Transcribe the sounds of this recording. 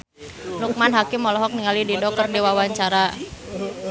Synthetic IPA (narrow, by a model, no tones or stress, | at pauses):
nuk̚manɦakɪmːɔlɔɦɔk̚niŋalididɔk̚kərdiwawaɲt͡ʃaɾa